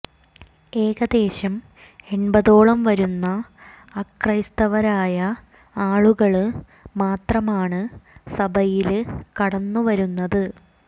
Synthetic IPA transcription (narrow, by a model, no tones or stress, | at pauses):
e̞ːɣɐd̪e̞ːɕɐm | e̞nbɐðo̞ːɭɐmʋɐɾunːɐː | krɐjst̪ɐʋɐɾaːjɐ | aːɭuɣɐɭ | maːt̪rɐmaːɳɨsɐbʱɐjilkɐɽɐnːuʋɐɾunːɐðɨ